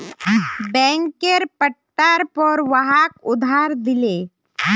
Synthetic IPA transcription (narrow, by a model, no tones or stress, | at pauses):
bɛ̃ŋkeɾpəʈʈːaɾpɔɾʋaɦakʊd̪ʱaɾd̪ɪle